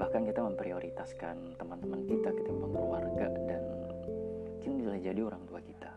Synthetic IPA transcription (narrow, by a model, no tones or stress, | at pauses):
bahkankit̪aməmpɾioɾʔit̪askant̪əmant̪əmankit̪akit̪amaŋəwarɡadan | mukɪndisulahd͡ʒadioɾaŋt̪uakit̪a